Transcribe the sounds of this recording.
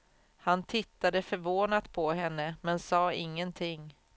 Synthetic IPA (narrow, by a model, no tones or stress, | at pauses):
hant̪ʰɪt̪ːad̪əfœɾvoːnat̪pʰɔɦɛnːəmɛnsɑːɪŋːənt̪ʰɪŋ